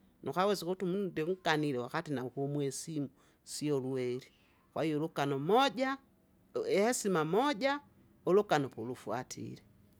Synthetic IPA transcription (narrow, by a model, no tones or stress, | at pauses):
nʔukawɛsikutumunudɛŋ̩kaniɾɛwakatinaukumwɛsimu | siɔluwɛɾi | kwʔaijɔlukanɔmɔɟa | ɛhɛsimamɔɟa | ɔlukanɔpɔlufwatʰḭɾɛ